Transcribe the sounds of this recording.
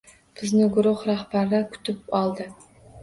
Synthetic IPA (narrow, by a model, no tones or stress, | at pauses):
b̥ɪznɪɡʊɾʊχɾahbaɾd̪akʰʲʊ̥t̪ʰɪp̚ɑlˠd̪ɨ